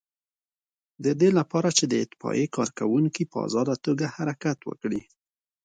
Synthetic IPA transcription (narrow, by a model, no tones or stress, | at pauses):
d̪əd̪elapɑɾat͡ʃed̪əɪt̪ɪ̥fɑ̰ʔekɑɾkawuŋkipəa̰zɑd̪at̪oɡahaɾakat̪wə̰kɽi